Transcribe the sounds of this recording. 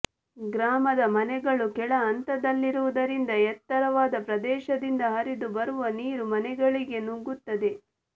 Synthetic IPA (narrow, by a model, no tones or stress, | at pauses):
ɡɾaːmɐd̪ɐmɐnɛɡɐɭukɛɭɐːnt̪ɐd̪ɐlːiɾuʋud̪ɐɾind̪ɐɛt̪ːɐɾɐʋaːd̪ɐpɾɐd̪ɛːʃɐd̪ind̪ɐɦɐɾid̪ubɐɾuʋɐniːɾumɐnɛɡɐɭiɡe̞nuŋɡut̪ːɐd̪e̞